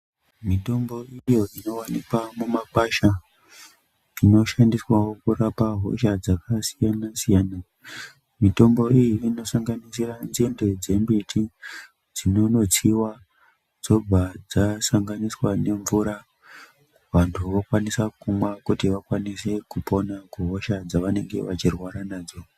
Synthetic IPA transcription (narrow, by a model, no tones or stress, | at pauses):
mito̞mbo̞ijo̞ino̞wanikwamumakaʃa | ino̞ʃandiswawokurapaɦo̞ʃad͡zakasijanasijaːna | mito̞mbo̞ijiino̞saŋɡanisiranzended͡ze̞mbitʰi | d͡zino̞no̞t͡siwa | d͡zo̞b͡vʱad͡zasaŋɡaniswane̞ɱvuɾa | ʋantʰuʋokwanisakumwakutiʋakwanise̞kupo̞nakuɦoʃad͡zaʋane̞ŋɡe̞̰ʋat͡ʃirwaɾanaːd͡zo̞